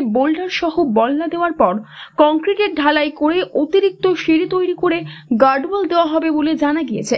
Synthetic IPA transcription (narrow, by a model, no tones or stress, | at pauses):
bolɖʱaɾʃɔɦobɔlnad̪eoaɾpɔɾkɔŋkɾiʈeɾɖʱalajkoɾeʔot̪iɾik̚t̪oʃiɾit̪ojɾikoɾeɡaɾɖbald̪eoaɦɔbeboled͡ʑanaɡijet͡ɕʰe